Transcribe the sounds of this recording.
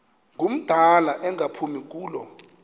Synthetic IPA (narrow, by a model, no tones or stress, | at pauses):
ŋɡʱum̩d̥ʱalaʔɛŋʱapʰumik̬ʼuːlɔ